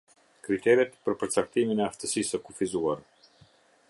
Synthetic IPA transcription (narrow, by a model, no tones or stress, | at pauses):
kɾit̪ɛɾɛt̪pəɾpəɾt͡sak̚t̪iminɛaft̪əsisəkufizuaɾ